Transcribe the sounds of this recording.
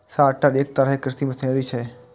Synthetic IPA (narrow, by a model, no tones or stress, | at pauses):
saʈːaɾek̚t̪əɾəɦekɾɪst̪iməsẽɾit͡ʃʰe